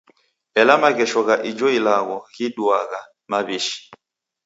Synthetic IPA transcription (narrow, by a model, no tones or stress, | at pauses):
ɛlamaɣɛʃɔɣaʔid͡ʒɔilaɣɔɣiɗuaɣa | maβiʃi̥